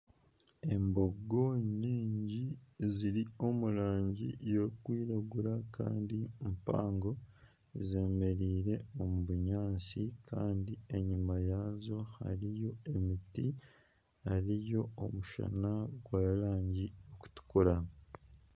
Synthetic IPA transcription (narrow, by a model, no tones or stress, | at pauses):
e̞mbo̞ɡo̞ɲiːɲɟiziɾio̞muɾaːɲɟḭjoukwiːɾaɡuɾaka̰ːndimpa̰ːŋɡo̞ | zeːme̞ɾiːɾe̞omuβuɲaːnt͡sikʰaːndie̞ɲimajaːzo̞ha̰ɾijo̞e̞miti | aɾijo̞omuʃa̰naɡwaːɾaːɲɟioku̥tu̥kuɾa